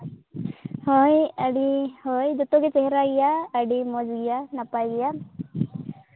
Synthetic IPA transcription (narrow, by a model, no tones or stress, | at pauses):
hɔjaɖihɔjd͡ʒɔt̪ɔɡɛt͡ʃɛɦɛɾaɡijaːɖimɔd͡ʒɡijanapajɡɛja